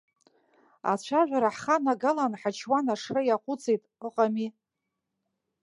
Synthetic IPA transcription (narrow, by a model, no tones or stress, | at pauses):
a̰t͡ɕʷʰaʒʷᶣaɾaħχanaɡalanħat͡ʃʰwanaʂrɨjaqʷʼʊt͡sʼejtʼəqʼami